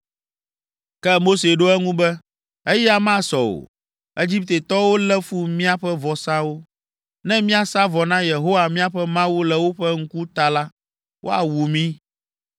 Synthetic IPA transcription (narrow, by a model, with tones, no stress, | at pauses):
kɛ˦mo˦se˨ɖo˦ɛ˦ŋũ˦bɛ˦ | e˦jɛ˦a˦mã˦sɔ˨o̰˨ | e˦d͡ʑi˦p̚t̪e˨t̪ɔ˦wo˦lɛ˦fu˦mĩ˦a˦ɸɛ˦vɔ˨sã˦wo˦ | nɛ̃˦mĩ˦a˨sa˦vɔ˨nã˦je˨ɦo˦wa˨mĩ˦a˦ɸɛ˦mã˦wu˦lɛ˦wo˦ɸɛ˦ŋ̩˦ku˦t̪a˨la˦ | wʔo̰˦a̰˨wu˨mĩ˦